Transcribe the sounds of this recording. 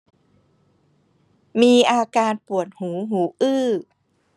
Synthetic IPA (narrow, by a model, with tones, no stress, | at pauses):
miː˧ʔaː˧kaː˧npu˨˩ət̪̚huː˩˦ɦuː˩˦ʔɯː˧˥˩